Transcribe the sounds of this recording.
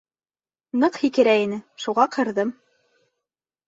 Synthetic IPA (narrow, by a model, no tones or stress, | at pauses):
nɤqhikɘ̆ɾæinɘʃuʁɑqʰɤ̆ɾðɤm